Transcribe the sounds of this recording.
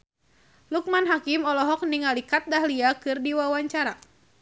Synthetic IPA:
luk̚manɦakimɔlɔɦɔk̚niŋalikat̪̚daɦliakɨrdiwawaɲt͡ʃaɾa

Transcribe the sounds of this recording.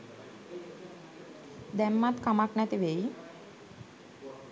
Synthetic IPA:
d̪ɛmːat̪kamaknɛt̪iʋej

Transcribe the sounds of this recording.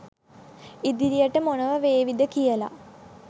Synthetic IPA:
id̪iɾijəʈəmonəʋəʋeːʋid̪əkijəla̰

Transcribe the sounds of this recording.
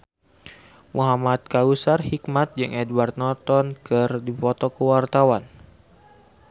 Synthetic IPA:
mʔuɦamat̪̚kausarhikmat̪̚d͡ʒɨŋɛdwart̪̚nɔt̪ɔnkərdipɔt̪ɔkəwart̪awan

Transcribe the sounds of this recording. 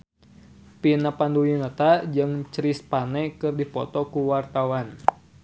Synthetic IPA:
pinapanduinət̪ad͡ʒɨŋt͡ʃɾispanɛkɨrdipɔt̪ɔkuwart̪awan

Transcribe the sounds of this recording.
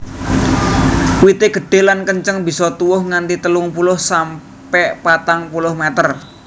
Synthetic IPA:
wit̪eɡ̥ə̤ɖ̥e̤lankəɲt͡ʃəŋbi̤sɔt̪uwʊhŋant̪it̪əlʊŋpulʊhsam | pɛʔpat̪aŋpulʊhmɛt̪ər

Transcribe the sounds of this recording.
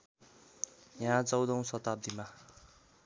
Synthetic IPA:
jaɦãt͡sʌwd̪ʌw̃sʌt̪ab̚d̪ima

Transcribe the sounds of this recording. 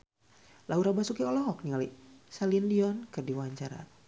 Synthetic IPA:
lauɾabasukiɔlɔɦɔk̚niŋalisaliəndiɔnkɨrdiwaaɲt͡ʃaɾa̰

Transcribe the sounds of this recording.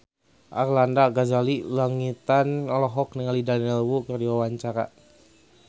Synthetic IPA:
ʔarlandaɡazalilaŋit̪anɔlɔɦɔk̚niŋalidanɛlwukərdiwawaɲt͡ʃaɾa̰

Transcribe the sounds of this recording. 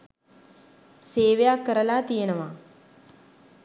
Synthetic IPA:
seːʋjaːkːɐɾɐlaːt̪ijenɐʋaː

